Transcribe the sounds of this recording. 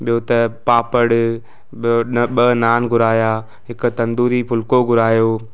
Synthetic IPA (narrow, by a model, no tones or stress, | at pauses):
ɓijot̪ɐpaːpəɽ | ɓoɓɐnaːnɡʱʊɾaːjaː | ɦɪkʊ̆t̪ɐ̃nd̪uːɾipʰʊlkoɡʱʊɾaːjoː